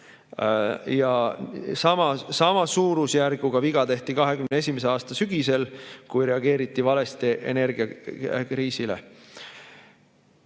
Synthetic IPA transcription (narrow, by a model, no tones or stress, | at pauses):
jɑsɑmɑsɑmɑsuːɾusjærɡ̥uɡ̥ɑviɡ̥ɑt̪e̞ht̪ikɑɦe̞kymneesʲimes̬e̞ɑːst̪ɑsyɡ̥ise̞lkujɾe̞ɑɡ̥e̞ːɾit̪ˑːivɑle̞st̪eʔḛne̞rɡ̥iɑkɾiːsile̞̰